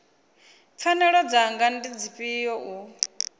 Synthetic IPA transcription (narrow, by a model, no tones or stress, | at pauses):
p̪fʰanɛɺɔd͡zaŋɡandid͡ziɸʼijɔʔu